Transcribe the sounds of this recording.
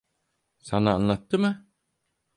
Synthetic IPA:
sanaːnlˠat̪ːɯmɯ

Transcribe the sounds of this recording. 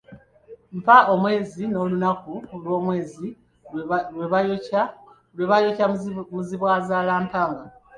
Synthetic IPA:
ɱfaʔo̞mwe̞ːzino̞ːlunakulwo̞ːmwe̞ːzi | we | lweβajocamuziβwaːzaːlaːmpaːŋɡa

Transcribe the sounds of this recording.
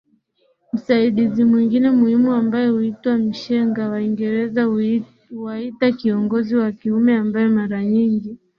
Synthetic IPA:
m̩saiɗizimwiŋɡinɛmuhimuambajɛhuitwam̩ʃɛŋɡawaiŋɡɛɾɛza | waitakiɔŋɡɔziwakiumɛambajɔmaɾaɲiŋɡi

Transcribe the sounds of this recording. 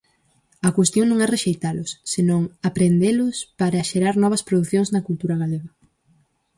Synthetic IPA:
ɐkwest̪joŋnõŋɛreʃejt̪alʊsːenõŋapɾend̪elʊspaɾɐʃeɾaɾnɔβ̞ɐspɾoðuθjõŋznɐkult̪uɾaɣaleɣɐ

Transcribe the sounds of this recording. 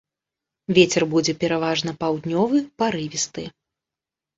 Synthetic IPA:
vʲet͡sʲɛrbud͡zʲɛpʲɛɾavaʐnɐpawd̪nʲɔvɨpaɾɨvʲist̪ɨ

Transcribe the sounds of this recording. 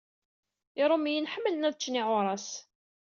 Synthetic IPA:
ɪɾˤomijənħəmːələnæðt͡ʃːniʕʊɾˤɑs

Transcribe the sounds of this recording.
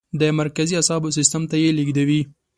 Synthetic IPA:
d̪əmaɾkaziasɑbos̬ɪst̪əmt̪ajeliɡd̪awi

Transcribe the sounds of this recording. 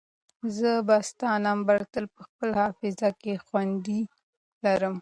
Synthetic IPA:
zəbast̪ɑnɑmbaɾt̪əlpəxpəlhɑfɪzakexwand̪i | laɾəm

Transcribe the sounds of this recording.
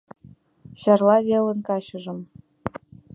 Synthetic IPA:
ɕɑrlˠɑβelə̆nkɑɕɤ̆ʒɤ̆m

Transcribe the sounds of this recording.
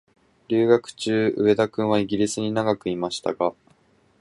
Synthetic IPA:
ɾʲɨːɡakɯ̟̥t͡ɕɨːɯ̟̰βe̞d̪akɯ̟̃ɰ̃βaiɡʲiɾʲisɨɲ̟inaɡakɯ̟imaɕi̥t̪a̰ɡa

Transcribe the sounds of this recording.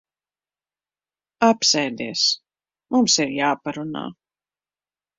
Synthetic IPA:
apsɛjd̪iɛs | mumsiɾjaːpaɾuna̰ː

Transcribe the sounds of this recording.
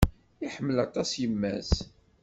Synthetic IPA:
iħəmːəlɑt̪ˤɑsjəmːæ̰s

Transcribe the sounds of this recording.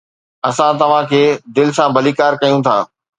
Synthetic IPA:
ɐsãt̪ɐʋ̤ãkʰeːd̪ɪlɪsãbʱɐliːkaːɾkɐjũt̪ʰa̰ː

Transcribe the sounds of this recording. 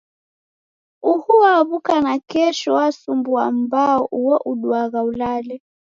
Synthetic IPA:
uhuwaβukanakɛʃɔwasumbuambaɔʔuɔʔuɗuaɣaulalɛ

